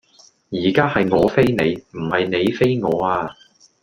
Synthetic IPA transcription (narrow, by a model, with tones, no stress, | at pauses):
jiː˨˩kaː˥hɐ˨jŋɔː˨˧fe˥jne˨˧jm̩˨˩hɐ˨jne˨˧jfe˥jŋɔː˨˧aː˧